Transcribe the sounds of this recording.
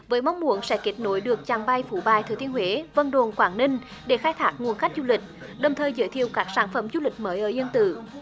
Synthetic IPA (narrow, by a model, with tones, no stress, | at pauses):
vəː˨˦jma˧wŋ͡mmu˧˩˦ənsɛ̰˧˥ke˦˥t̚no˨˦jɗɨ˨˩ək̚t͡ɕaː˨˩ŋɓa˧jfu˧˩ɓaː˨˩jt̪ʰɨː˨˩t̪i˧ənhwe˨˦və˧nɗo˨˩nkwaː˧˩nni˧ŋ | ɗe˧˩xaː˧jt̪ʰaː˦˥k̚ŋu˨˩ənxa˦˥k̟̚zu˧lï˨˩k̟̚ | ɗə˨˩wŋ͡mt̪ʰəː˨˩jzɨ̰˧˦jt̪ʰi˨˩əwkaː˦˥k̚saː˧˩nfə˧˩mzu˧lï˨˩k̟̚məː˨˦jʔəː˧˩ʔi˧ənt̪ɨ̰˧˨